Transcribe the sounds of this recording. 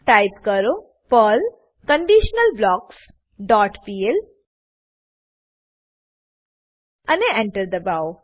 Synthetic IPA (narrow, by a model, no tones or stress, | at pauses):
ʈajpkəɾo | pəl | kəɳɖiʃnəlblɔːks | ɖɔʈpiel | ɐneẽɳʈəɾd̪əbaw